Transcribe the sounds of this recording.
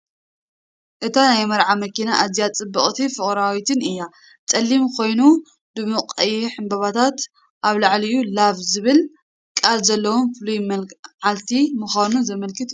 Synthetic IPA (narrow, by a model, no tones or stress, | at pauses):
ʔɨt̪ʰanajmɐɾʕamɐkinaʔazijat͡sʼɨbːɨχʼt̪ʰifɨχʼɾawit̪ʰɨnɨjːa | t͡sʼɐlːimkʰo̞jnu | d̪ɨmɨqʼɐjħɨmbɐβat̪ʰat̪ | ʔaβlaʕlijulavzɨβɨl | kʼalzɐlːɐwomfɨlujmɐlʕalt̪ʰimɨxanuzɐmɐlkʰɨt̪u̥